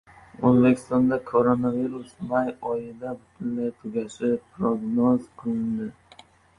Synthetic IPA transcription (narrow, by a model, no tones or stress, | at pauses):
ɵzbe̞kʲʰɪ̥st̪ɒnd̪akʰoɾonaviɾʊsmajɒjɪd̪abʊt̪ʰʊnlajt̪ʰʊɡʲaʃɪpʰɾoɡnɒzkʰʊnd̪ɪ